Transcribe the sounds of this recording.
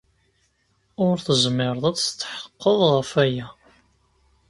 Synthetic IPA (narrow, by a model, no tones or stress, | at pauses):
ʊɾθəzmːɪɾəðˤæst̪ːħə̥qːəðˤʁəfæjæ